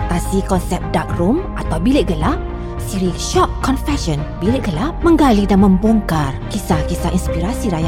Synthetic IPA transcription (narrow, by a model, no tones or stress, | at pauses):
t̪asikɔnsɛp̚dak̚rumʔat̪awbiliʔ̚ɡəla | siɾiʃɔʔ̚kːɔnfɛʃɔ̃nbiliʔ̚ɡəlamə̃ŋɡalidanmə̃mbɔŋkarkisahkisaʔinspiɾasiɾaja